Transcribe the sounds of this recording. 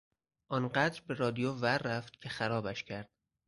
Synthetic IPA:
ʔɒnɢæd̪ɾbeɾɒːd̪ijoværːæft̪̚cʲʰe̞xæɾɒːbæʃcʰæɾd̪̥

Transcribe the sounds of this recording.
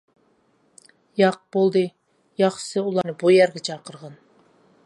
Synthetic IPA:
jɑq̚b̥olˠd̪ɨ | jɑχsɨulˠɑnɨbujæɾɡʲɛt͡ʃʰɑqəɾʁɑn

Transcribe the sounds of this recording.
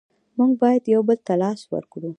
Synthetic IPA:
muŋɡ̚bɑjad̪jawbəlt̪alɑswə̰ɾkɽu

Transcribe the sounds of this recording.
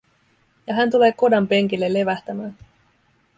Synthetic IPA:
jɑɦænt̪ule̞ːko̞dɑmpe̞ŋ̟k̟ilːe̞lːe̞ʋæht̪æmæːn

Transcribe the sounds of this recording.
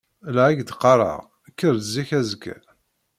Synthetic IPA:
lʕiɡd̪qːɑɾˤɑ̰ʁ | kːəɾzːiçæzəkːæ̰

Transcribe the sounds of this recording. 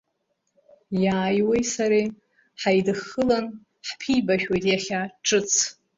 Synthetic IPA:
jaːjwejsaɾi | ħajdɨχɨlan | ħpʰijbaʃᶣwajtʼjaχʲaʈ͡ʂʰʼɨt͡sʰ

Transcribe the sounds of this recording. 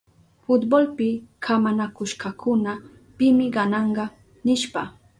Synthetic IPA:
fʊt̪bolpɪkʰamanakʊʃkɑkʊna | pɪmɪɢɑnɑɴɢɑ | nɪʃpa

